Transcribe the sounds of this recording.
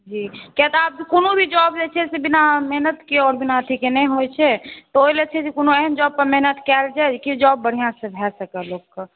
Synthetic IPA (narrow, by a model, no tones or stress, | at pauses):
d͡ʒikjat̪ɔab̚konobʱid͡ʒɔbd͡ʒet͡ʃʰɛsebinamɛɦnət̪keɔːɾbinat̪ʰikenɛɦojt͡ʃʰɛt̪ɔoilet͡ʃʰɛsekonoeɦənd͡ʒɔb̚pəɾmɛɦnət̪kɛld͡ʒad͡ʒkid͡ʒɔbːəɽ̤ijãsə̃bʱɛsəkɛlokːə